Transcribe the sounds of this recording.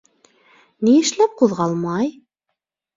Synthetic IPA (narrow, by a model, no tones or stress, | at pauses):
nijɘ̆ʃlæp̚quðʁɑlˠmɑj